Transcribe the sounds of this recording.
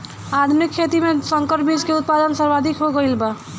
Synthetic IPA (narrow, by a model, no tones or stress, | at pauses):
ad̪mikʰːet̪imesəŋkəɾʈbid͡ʒkeʊt̪̚pad̪ənsəɾbad̪ʱikɦoɡəilba